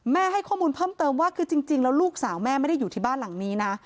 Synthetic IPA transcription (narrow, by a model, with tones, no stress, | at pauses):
mɛː˥˩ɦa˥˩jkʰaː˥˩muː˧npʰɤː˥˩mt̪ɤː˧mwaː˥˩kʰɯː˧t͡ɕi˧ŋt͡ɕi˧ŋlɛː˦˥wluː˥˩k̚saː˩˦wmɛː˥˩ma˥˩da˥˩juː˨˩t̪ʰiː˥˩baː˥˩nla˨˩˦ŋniː˦˥na˦˥